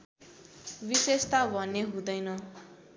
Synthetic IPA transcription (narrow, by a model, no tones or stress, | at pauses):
bisest̪abʱʌnːeɦũd̪ʌjnʌ